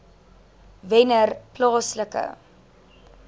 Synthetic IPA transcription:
vɛnərplɑːsləkə̰

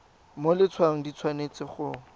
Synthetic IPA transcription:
molɪt͡sʰwaŋ̩dit͡sʰwanet͡sɪχʊ

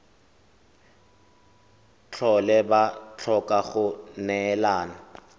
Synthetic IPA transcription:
t͡ɬʰɔlɛbat͡ɬʰɔkʼaχʊnɛːlaːna

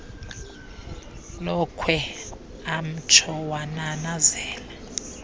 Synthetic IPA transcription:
lɔkʰwɛ | am̩t͡ʃʰɔwananazɛːlɛ

